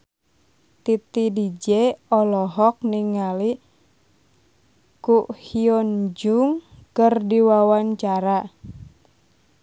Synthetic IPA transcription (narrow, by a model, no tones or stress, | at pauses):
t̪it̪idid͡ʒeɔlɔɦɔk̚niŋali | kuʔhiɔnd͡ʒuŋkərdiwawaɲt͡ʃaɾa